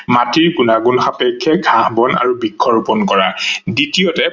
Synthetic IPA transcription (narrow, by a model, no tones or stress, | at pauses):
matiɹɡunaɡunxapɛkʰːɛɡʱãhbɔna̰ɹubikʰːɔɹupɔnkɔɹaditiɔtɛ